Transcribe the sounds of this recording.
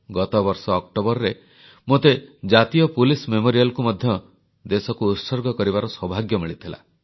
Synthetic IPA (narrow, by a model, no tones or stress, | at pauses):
ɡɔt̪ɔbɔɾsɔːk̚ʈobɔɾɾe | mot̪ed͡ʒat̪ijɔpulismemoɾijalɔkumɔd̪ʱjɔ | d̪esɔkuːt̪sɔɾɡɔkɔɾibaɾɔswɔbʱaɡjɔmiɭit̪ʰila̰